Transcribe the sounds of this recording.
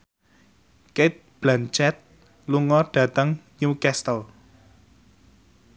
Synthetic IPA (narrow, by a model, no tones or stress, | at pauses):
ket̪̚b̥lant͡ʃɛt̪̚ | luŋɔɖ̥ä̤t̪əŋ | jukɛst̪əl